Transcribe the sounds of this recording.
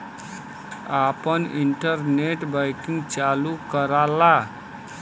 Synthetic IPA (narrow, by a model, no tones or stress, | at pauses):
apəniɳʈəɾneʈbaɪkĩŋɡt͡ʃalukəɾala